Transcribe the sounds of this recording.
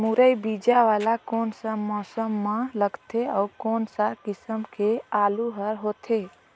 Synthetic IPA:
muɾəjbiːd͡ʒaʋaːlakoːnsəmɔːsəmːãləɡt̪ʰeɔːɾkɔːnsakɪsəmkʰeaːluɦəɾɦoːt̪ʰe

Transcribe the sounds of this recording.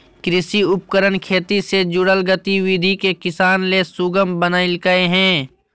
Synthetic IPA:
kɾɪsiʊp̚kəɾənkʰeːt̪ised͡ʒʊɽəlɡət̪iwid̪ʱikekɪsaːnlesuɡəmbənaɪlkəeɦɛ̃ː

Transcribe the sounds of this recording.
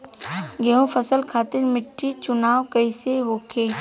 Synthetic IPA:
ɡeɦũpʰəsəlkʰaːt̪ɪɾmɪʈːit͡ʃʊnaːwkəiseʋoːkʰeː

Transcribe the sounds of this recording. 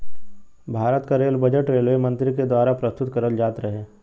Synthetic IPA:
bʱaːɾət̪kaɾeːlbɐd͡ʒəʈɾeːlmemɐ̃nt̪ɾiked̪waːɾapɾɐst̪ʊt̪kɐɾəld͡ʒaːt̪ɾɐɦeː

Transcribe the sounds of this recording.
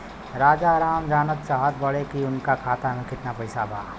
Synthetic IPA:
ɾaːd͡ʒaɾaːmd͡ʒaːnət̪saːɦəd̪̚bɐɽekiʊnkakʰaːt̪amẽkɪt̪napɐɪsabʱaː

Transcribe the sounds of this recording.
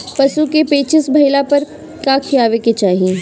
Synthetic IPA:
pɐsukepeːt͡ʃɪsbʱɐilapɐɾ | kaːkʰiaːʋeket͡ʃaːɦieː

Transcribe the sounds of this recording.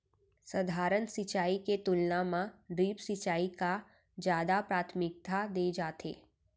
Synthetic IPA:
səd̪ʱaːɾənsɪt͡ʃaːiket̪ʊlnamãɖɾiːpsit͡ʃaːika | d͡ʒjaːd̪apɾaːt̪ʰmɪk̚t̪ʰad̪eːd͡ʒaːt̪ḛː

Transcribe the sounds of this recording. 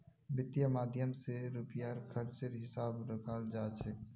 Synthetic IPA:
bɪt̪jamaːd̪ʱjəmseɾʊpjaɾkʰəɾt͡ʃəɾɦɪsaːbɾəkʰaːld͡ʒaːt͡ʃʰek

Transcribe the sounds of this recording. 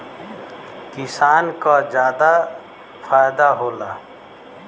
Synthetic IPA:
kɪsaːnkad͡ʒjaːd̪a | faːjd̪aɦoːlaː

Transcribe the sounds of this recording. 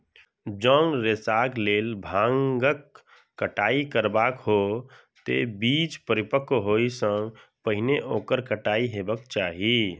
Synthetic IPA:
d͡ʒɔːnɾesaːɡleːlbʱãŋɡəkː | əʈaːikəɾbaːkɦo | t̪ḛbiːd͡ʒpəɾɪpəkoɦoisə̃ŋɡpəɦɪneʔoːkəɾkəʈaːiɦeːbəkt͡ʃaːɦi

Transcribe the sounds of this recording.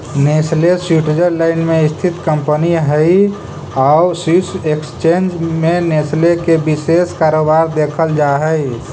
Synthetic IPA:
neslesuʈed͡ʒəɾlaɪnmẽɪst̪ʰit̪kəmpəniɦəj | asusekst͡ʃeːnd͡ʒmeneslekebiseskaːɾobaɾd̪eːkʰəld͡ʒaɦəj

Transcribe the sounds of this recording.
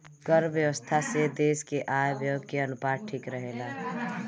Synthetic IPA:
ɡəɾbjəwəst̪ʰased̪eːskeʔajbjoːɡkeənʊpaːɾ̚ʈʰiːkɾəɦela

